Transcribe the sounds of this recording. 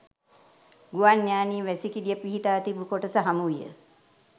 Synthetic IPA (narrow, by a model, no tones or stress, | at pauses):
ɡuʋanːjaːniːʋæsikid̪ijəpiɦiʈaːt̪ibukoʈəsəɦamuʋijə̰